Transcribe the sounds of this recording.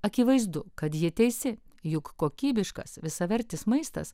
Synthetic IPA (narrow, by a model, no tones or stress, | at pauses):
ɐkʲɪʋɐɪzd̪ʊkɐt̪jɪɛt̪ʲɛɪsʲɪ | jʊkːoːkʲiːbʲɪʃkɐ̰sʋʲɪsɐʋʲɛɾʲt̪ʲɪsmɐɪst̪ɐ̰s